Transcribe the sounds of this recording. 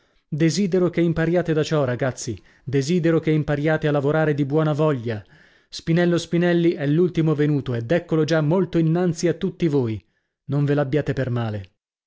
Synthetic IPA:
d̪eziːd̪eɾokeimpaɾjaːt̪ed̪at͡ʃɔraɡat̪sːi | d̪eziːd̪eɾokeimpaɾjaːt̪ealːavoɾaːɾed̪ibwɔːnavɔʎːa | spinɛlːospinɛlːiɛlːult̪imovenuːt̪oed̪ːɛkːolod͡ʒamːolt̪oinːant̪siat̪ːut̪ːivoːj | noɱvelabːjaːt̪epermaːle

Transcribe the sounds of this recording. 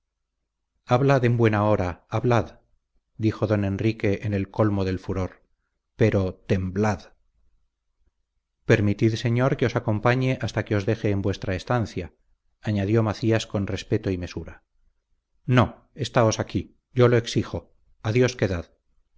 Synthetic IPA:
aβlaðe̞mbwe̞nao̞ɾaːβlað | d̪ixo̞ðo̞ne̞nrike̞ʔːne̞lko̞lmo̞ðe̞lfuɾo̞ɾ | pe̞ɾo̞t̪e̞mblað | pe̞ɾmit̪iðse̞ɲo̞ɾke̞o̞sako̞mpaɲe̞ʔast̪ake̞o̞zðe̞xe̞ːmbwe̞st̪ɾaest̪anθjaː | ɲaðjomaθiasko̞nre̞spe̞t̪oime̞suɾa | no̞ | e̞st̪ao̞saki | ɟ͡ʝo̞lo̞e̞ksixo̞ | aðjo̞ske̞ðað

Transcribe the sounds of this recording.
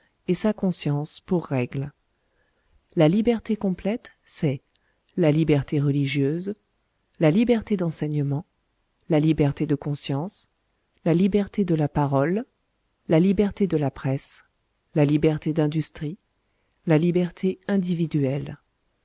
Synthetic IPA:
esakɔ̃sjɑ̃spuʁːɛɡl | lalibɛʁt̪ekɔ̃plɛt̪ | sɛ | lalibɛʁt̪eʁəliʒjøz | lalibɛʁt̪ed̪ɑ̃sɛɲəmɑ̃ | lalibɛʁt̪ed̪əkɔ̃sjɑ̃s | lalibɛʁt̪ed̪əlapaʁɔlː | alibɛʁt̪ed̪əlapχɛs | lalibɛʁt̪ed̪ɛ̃d̪yst̪χi | lalibɛʁt̪ʰeɛ̃d̪ivid̪yɛl

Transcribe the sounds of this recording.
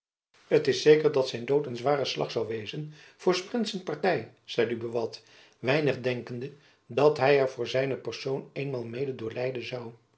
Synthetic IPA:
ətɪsejkəɹdɑtsɛjndowtənzʋaːrəslɑ̰χsɑwʋejzənv̥ʊːɹsprɪntsənpɑɹtɛj | z̥ɛjdybəʋɑt | ʋɛjnəχdɛŋkəndə | dɑtɦɛjɛɹvʊːɹzɛjnəpɛɹsowneːjnmaːlˠmejdədʊːɹlɛjdənzɑw

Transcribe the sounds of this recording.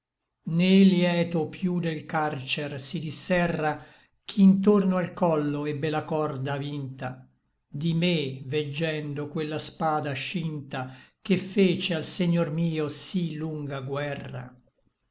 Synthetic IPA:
neljɛːt̪opjud̪elkart͡ʃɛrsid̪isːɛrːa | k̟ʰiːnt̪ornoalkɔlːoɛbːelakɔrd̪avint̪a | d̪imeved͡ʒːɛnd̪okwelːaspaːd̪aʃint̪akefːeːt͡ʃealseɲːormiːosiluŋɡaɡwɛrːa̰

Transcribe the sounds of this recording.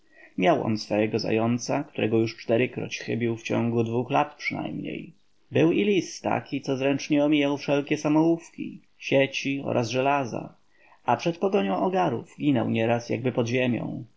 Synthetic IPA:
mʲjawʔɔ̰nsfɔjɛɡɔza̰jɔnt̪sakt̪uɾɛɡɔjuʂt͡ʂt̪ɛɾɘkɾɔ̰t͡ɕxɘbʲiwft͡ɕɔ̃ŋɡud̪vuxlat̪pʂɘna̰jmɲḛj | bɘwilʲist̪t̪ːa̰kʲit̪sɔzɾɛnt͡ʂɲɛɔmʲijawfʂɛlkʲɛsamɔufkʲḭ | ɕet͡ɕiɔ̰ɾʔazʐɛlaza̰ | apʂɛt̪pɔɡɔɲɔ̃w̃ʔɔɡaɾuvɡʲinɛ̰wɲɛɾasja̰ɡ̚bɘpɔd̪ʑemʲjɔ̰̃w̃

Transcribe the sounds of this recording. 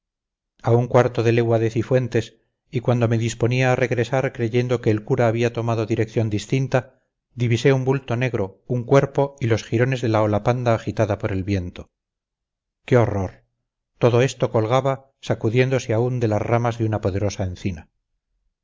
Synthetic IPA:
auŋkwaɾt̪oðe̞le̞ɣwaðe̞θifwe̞nt̪e̞s | ikwand̪o̞me̞ðispo̞niaːre̞ɣɾe̞saɾkɾe̞ʝe̞nd̪o̞ke̞ːlkuɾaːβiat̪o̞maðo̞ðiɾe̞kθjo̞nd̪ist̪int̪a | d̪iβise̞umbult̪o̞ne̞ɣɾo̞uŋkwe̞ɾpo̞ilo̞sxiɾo̞ne̞zðelaolapand̪aːxit̪aðapoɾe̞lβje̞nt̪o̞ | keo̞ro̞ɾ | t̪o̞ðo̞e̞st̪o̞ko̞lɣ̞aβa | sakuðje̞nd̪o̞seaund̪e̞lazramazðeunapoðe̞ɾo̞sae̞nθina

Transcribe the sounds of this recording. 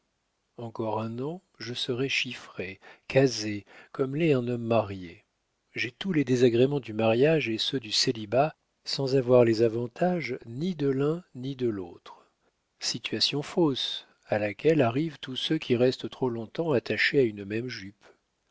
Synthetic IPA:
ɑ̃kɔʁɛ̃nɑ̃ | ʒəsəʁɛʃifχekʰazekɔmlɛɛ̃nɔmːaʁje | ʒɛt̪ulɛd̪ezaɡʁemɑ̃d̪ymaʁjaʒesød̪yseliba | sɑ̃zavwaʁlɛzavɑ̃t̪aʒnid̪əlɛ̃nid̪əlot̪χ | sit̪ɥasjɔ̃fos | alakʲɛlaʁivt̪usøkʲiʁɛst̪ət̪χolɔ̃t̪ɑ̃at̪aʃeaynmɛmʒyp

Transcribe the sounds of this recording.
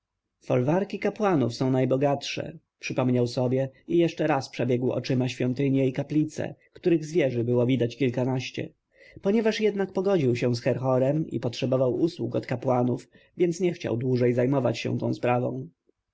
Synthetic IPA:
fɔlvaɾkʲikapwanufsɔ̃w̃najbɔɡatʂɛ̰ | pʂɘpɔmɲawsɔbʲjɛijɛʂt͡ʂɛɾaspʂɛbʲjɛɡwɔ̰t͡ʂɘmaɕfʲjɔnt̪ɘɲɛikaplʲit̪sɛ̰kt̪uɾɘɣzvʲjɛʐɘbɘwɔvʲid̪at͡ɕkʲilkanaɕt͡ɕɛ̰ | pɔɲɛvaʂjɛd̪nak̚pɔɡɔd͡ʑiwɕɛw̃sxɛɾxɔɾɛmḭpɔtʂɛbɔvawuswukɔt̪kapwanuf | vʲjɛnt̪sɲɛxt͡ɕa̰wd̪wuʐɛjzajmɔvat͡ɕɕɛ̰̃t̪ɔ̰̃w̃spɾavɔ̰̃w̃

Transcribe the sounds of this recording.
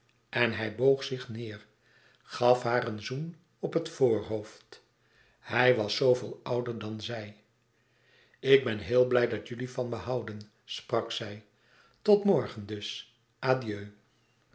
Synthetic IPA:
ʔɛnɦɛjbowχsɪχnɪːr | χɑfɦaːɾənzun | ɔpətfoːɹɦowft | hɛjʋɑsowvɪːlˠʌwdəɹdɑnzɛj | ɪɡ̚bɛnɦɪːlˠblɛjdɑtjʏlifɑnbəɦɑwdən | sprɑksɛj | tɔtmɔɹχəndɵs | ʔaːdiøː

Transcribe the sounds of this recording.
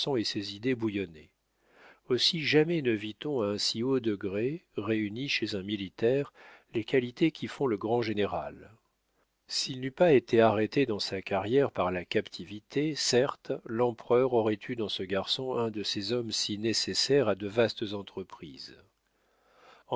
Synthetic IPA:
sɔ̃esezid̪ebujɔne | osiʒamɛnəvit̪ɔ̃aɛ̃siod̪əɡʁeʁeyniʃezɛ̃milit̪ɛʁlekʰalit̪ekʲʰifɔ̃ləɡʁɑ̃ʒeneʁa̰l | silnypaet̪eaʁet̪ed̪ɑ̃sakaʁjɛʁpaʁlakapt̪ʰivit̪ʰesɛʁt̪lɑ̃pχœʁɔʁɛt̪ʰyd̪ɑ̃səɡaʁsɔ̃ɛ̃d̪əsezɔmsinesesɛʁad̪əvast̪zɑ̃t̪χəpχiz | ɑ̃

